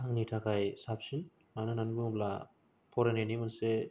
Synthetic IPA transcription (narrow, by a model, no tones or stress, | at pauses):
aŋnitʰakʰajsapsin | manɯnanɡɯŋbla | pʰɔɾenenimanse